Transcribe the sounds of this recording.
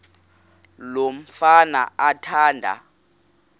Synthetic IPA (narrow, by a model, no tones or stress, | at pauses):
lom̩fana̰atʰaːndʱa̰